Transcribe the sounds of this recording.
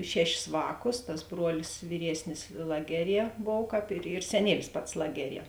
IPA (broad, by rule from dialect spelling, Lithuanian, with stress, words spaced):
ˈʃʲæːˌʃʲɪs ˈʋɑːˌkʊs tɐs ˈbruɔlʲɪs ʋʲiːˈrʲiɛsʲnʲɪs ˈlˠɑːɡʲɛˌrʲiɛ ˈboːw ˈkɑːp ɪr ɪr sʲɛˈnʲiɛlʲɪs ˈpɐts ˈlˠɑːɡʲɛˌrʲiɛ